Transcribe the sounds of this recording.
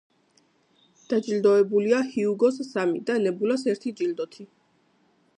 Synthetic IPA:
d̪̥ad͡ʒʼild̪ɔɛbuliahiuɡɔsːamid̪alɛbulasɛɾt̪ʰid͡ʒʼild̪ɔt̪ʰi

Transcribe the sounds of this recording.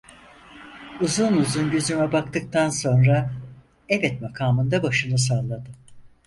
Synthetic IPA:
uzunuzunɟøzymɛbak̚t̪ɯk̚t̪ʰanso̞nɾa | ɛbɛt̪̚makʰaːmɯnd̪abaʃɯnɯs̬aːlˠad̪ɯ

